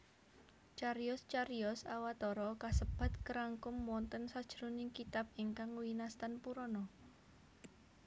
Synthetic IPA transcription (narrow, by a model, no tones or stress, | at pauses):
t͡ʃaɾjʊst͡ʃaɾiɔsawat̪ɔɾɔkasəb̥a̤t̪̚kəɾaŋkʊmwɔnt̪ənsad̥ʒ̥əɾunɪŋkit̪ap̚iŋkaŋwinast̪anpuɾɔnɔ